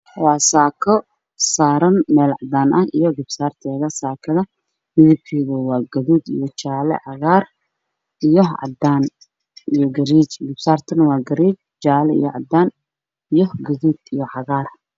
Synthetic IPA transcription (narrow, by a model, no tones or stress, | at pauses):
wɑːsaːkʰɔ | saːɾɐnmɛːlʕɑd̪aːnʔɐhijɔɡɪb̥saːrt̪ʰɛːɣɐsaːkʰɐðɐ | mɪðɪb̚kʰiːɣʊwɑːɡɐðuːd̪ḭjɔt͡ʃaːlɛ̰ʕɑɣaːr | ʔijɔʕɑ̰d̪aːn | ijɔɡɐɾiːt͡ʃɡɪbsaːrt̪ʰɐnɐwɑːɡɐɾiːt͡ʃ | t͡ʃaːlɛḭjɔʕɑd̪aːn | ijɔɡɐðuːd̪ijɔʕɑɣaːr